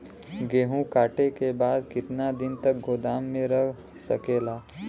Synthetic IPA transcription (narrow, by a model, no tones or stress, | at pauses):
ɡeːɦũkaːʈekebaːd̪kɪt̪nad̪ɪnt̪ək̚ɡʱoːd̪aːmːẽɾək | sə̰keːlaː